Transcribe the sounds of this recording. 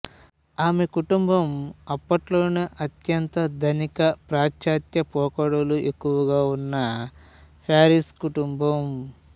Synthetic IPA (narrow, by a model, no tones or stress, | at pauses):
aːme̞kuʈumbɐmɐpːɐʈloːneʔɐt̪jɐnt̪ɐd̪ʱɐnikɐpɾaːt͡ʃt͡ʃaːt̪jɐpɔːkɐɽɐluʔekːuʋɐɡaːunːɐ | pʰaːɾiskuʈumbɐm